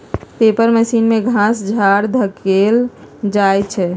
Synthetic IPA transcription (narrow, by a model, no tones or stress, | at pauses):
t̪epəɾməsinmeɡʱãsd͡ʒʱaɽd̪ʱəkeld͡ʒajt͡ʃʰɛ